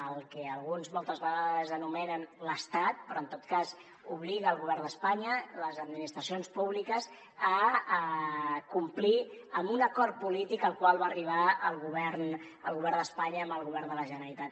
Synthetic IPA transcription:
əlˠkɛəlˠɣunzmɔlˠt̪əzβəɣaðəzənumɛnənləst̪at̪̚pɾɔənt̪ot̪̚kaz | uβliɣəːlˠɣuβɛrnd̪əspaɲələzəd̪minist̪ɾəsionspuβlikəz | ə | kumpliəmbunəkɔɾt̪̚pulit̪ikəlˠkwalˠβaːriβ̞aəlˠɣuβɛɾn | əlˠɣuβɛɾnd̪əspaɲəːmbəlˠɣuβɛɾnd̪ələʒənəɾit̪at̪

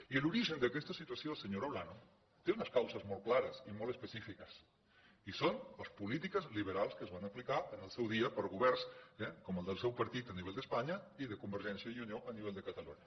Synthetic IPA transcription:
iəluɾiʒənd̪əkɛst̪əsit̪uəsjosəɲoɾoβlano | t̪eunəskawsəzmolˠklaɾəsimolˠəspəsifikəs | isonəspulit̪ikəzliβ̞əɾalˠskəzβanəplikaənəlˠsɛwðiəpəɾɣuβɛrnsɛkɔməlˠd̪əlˠsɛwpəɾt̪it̪əniβɛʎld̪əspaɲɐiðəkumbəɾʒɛnsjəiunioʔəniβɛʎd̪əkət̪əluɲɐ

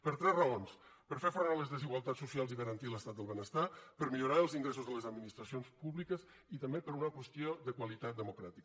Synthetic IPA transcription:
pəɾt̪ɾɛzrəons | pəɾfefuɾmaləzðəziɣwalˠt̪asːusialˠziɣəɾənt̪iləst̪at̪d̪əlˠβənəst̪apəɾmiʎuɾaəlˠziŋɡɾesuzðələzəd̪minist̪ɾəsionspuβlikəz | it̪əmbepəɾunəkwəst̪ioðəkwalit̪at̪̚d̪əmukɾat̪ik

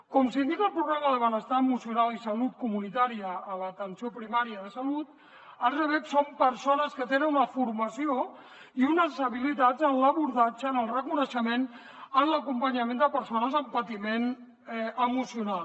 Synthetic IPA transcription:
kɔmsind̪ikəlˠpɾuɣɾaməðəβənəst̪aəmusiunalˠisəlut̪̚kumunit̪aɾiəːlət̪ənsiopɾimaɾiəðəsəlut̪ | ərəβɛksompəɾsonəskət̪enənunəfuɾməsio | iunəzəβilit̪ad͡zənləβuɾðad͡ʒənəlˠrəkunəʃəmen | ənləkumpəɲəmẽnd̪əpəɾsonəzəmpət̪imen | ʔəmusiunal

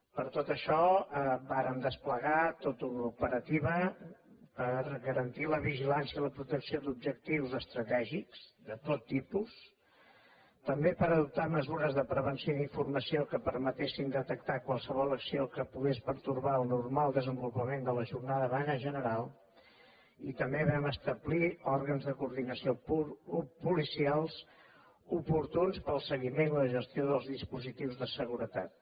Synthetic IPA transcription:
pəɾt̪ot̪əʃɔəbaɾəmd̪əspləɣat̪ot̪unupəɾət̪iβə | pəɾɣəɾənt̪iləβiʒilansjəiləpɾut̪əksiod̪ub̚ʒək̚t̪iwzəst̪ɾət̪ɛʒikz̥d̪ət̪ot̪ːipus | t̪əmbepəɾəðup̚t̪aməzuɾəzðəpɾəβənsioðiɱfurməsiokəpəɾmət̪esind̪ət̪ək̚t̪akwalˠsəβɔlˠəksiokəpuɣespəɾt̪urβaəlˠnurmalˠd̪əzəmbulupəmend̪ələʒurnaðəβanəʒənəɾalˠ | it̪əmbeβɛməst̪əβliɔɾɣənzðəkuɾðinəsio | pulisialˠz | upuɾt̪unspəlˠsəɣimeniləʒəst̪ioðəlˠzðispuzit̪iwzðəsəɣuɾət̪a̰t̪̚

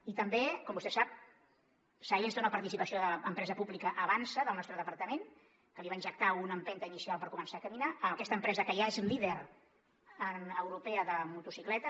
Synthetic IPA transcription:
it̪əmbekɔmbust̪ɛsap̚ | sajenzd̪unəpəɾt̪isipəsioðəːmpɾɛzəpuβlikəʔəβansəðəlnɔst̪ɾəðəpəɾt̪əmen | kəliβainɲʒək̚t̪aunəmpɛnt̪əinisialˠpəɾkumənsaːkəminaəməkɛst̪əmpɾɛzəkəjaezliðeɾ | əəwɾupɛəðəmut̪usiklɛt̪ə

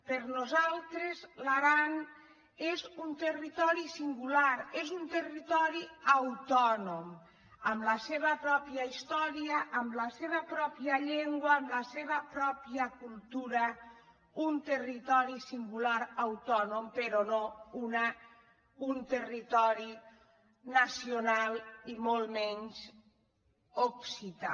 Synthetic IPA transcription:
pəɾnuzalˠt̪ɾezlaɾan | ezunt̪ərit̪ɔɾisiŋɡulaɾezunt̪ərit̪ɔɾiəwt̪ɔnom | əmləseβəpɾɔpiəist̪ɔɾiəʔːmləseβəpɾɔpiəʎeŋɡwəːmləseβəpɾɔpiəkulˠt̪uɾə | unt̪erit̪ɔɾisiŋɡulaɾawt̪ɔnompeɾonouna | unt̪erit̪ɔɾi | nəsionalˠimolˠmɛɲz | oksit̪a̰

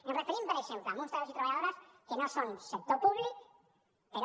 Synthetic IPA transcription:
enrəfeɾimpəɾeʃempləmunst̪ɾasit̪ɾɐβʎaðoɾɐskenosonsek̚t̪opuβlik | peɾ

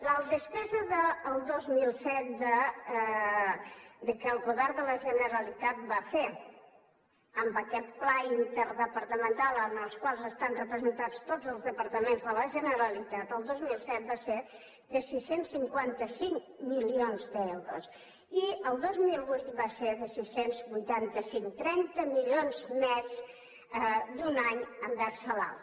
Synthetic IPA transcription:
ləlˠd̪əspɛzəðəːlˠd̪ozmilˠsɛt̪̚d̪ə | d̪əkəəlˠɣuβɛɾd̪ələʒənəɾəlit̪at̪̚bafe | əmbəkɛt̪̚plaint̪əɾðəpəɾt̪əmənt̪alˠənəlˠskwalˠzəst̪anrəpɾəzənt̪at͡st̪od͡zəlˠzðəpəɾt̪əmenzðələʒənəɾəlit̪at̪əlˠd̪ozmilˠsɛt̪̚base | ðəsisensːiŋkwant̪əsiŋ | milionzd̪ɛwɾus | iəlˠd̪ozmilˠβujt̪̚baseðəsisenzbujt̪ant̪əsiŋt̪ɾɛnt̪əmilionzmɛz | əd̪unaɲəmbɛrsəla̰l

